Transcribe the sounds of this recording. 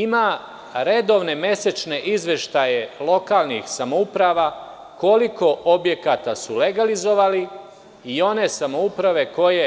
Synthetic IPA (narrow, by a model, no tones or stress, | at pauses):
ima | ɾe̞d̪o̞ʋne̞me̞se̞t͡ʃne̞ʔizʋe̞ʃt̪aje̞lˠo̞kaːlˠnḭxsamoupɾaʋa | ko̞liko̞obje̞kat̪asule̞ɡalizo̞ʋali | io̞ne̞samoupɾaʋe̞ko̞je̞